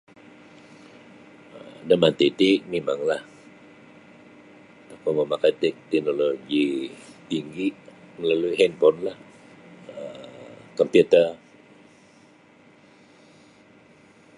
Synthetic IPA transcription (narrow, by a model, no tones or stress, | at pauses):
ədəmant̪ɛt̪iʔmimaŋlah | t̪akoməmakajt̪ɛk̚t̪ɛk̚noloɡit̪iŋɡiʔməlaluiɦɛnpɔnlah | əkɔmpjut̪ə